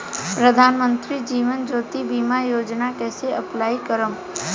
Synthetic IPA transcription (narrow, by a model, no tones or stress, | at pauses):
pɾəd̪ʱaːnmə̃nt̪ɾid͡ʒiːʋənd͡ʒoːt̪ibiːmajoːd͡ʒnakɛːseəplaːikəɾəm